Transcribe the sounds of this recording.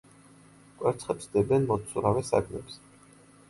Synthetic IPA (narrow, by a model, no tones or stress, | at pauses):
kʼwɛɾt̪sʰχɛpsd̪ɛbɛnmɔt̪sʰuɾavɛsa̰ɡmɛ̰ps